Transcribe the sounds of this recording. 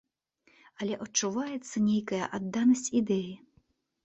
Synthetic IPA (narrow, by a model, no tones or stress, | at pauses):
ɐlʲɛʔɔt͡ʃːʊʋajɛt̪sːɐnʲejkɐjɐ̰ʔɐd̪ːanɐsʲtʲid̪ɛji